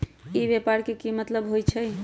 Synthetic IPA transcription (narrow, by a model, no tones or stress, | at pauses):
ibepaɾkekimət̪ləbɦojt͡ʃʰəj